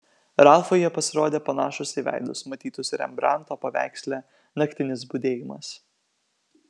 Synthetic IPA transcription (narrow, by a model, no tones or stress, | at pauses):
ɾɑˑlˠfoːjɛpɐsʲɪɾoːd̪ʲeːpɐnɑːʃʊsʲɪʋʲæ̰ˑɪd̪ʊsmɐt̪ʲiːt̪ʊsʲɾʲɛ̰mbɾɑˑnt̪oːpɐʋʲæ̰ˑɪksʲlʲæ | nɐkt̪ʲɪnʲɪs̬bʊd̪ʲeːjɪmɐ̰s